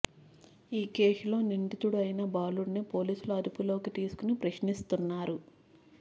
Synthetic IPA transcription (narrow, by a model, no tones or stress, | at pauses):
iːkeːsulo̞ːniɳʈit̪uɽuɐjnɐbaːluɽnieːpo̞ːliːsuluɐd̪upulo̞ːkit̪iːsu̥kunipɾɐʃnist̪unːaːɾu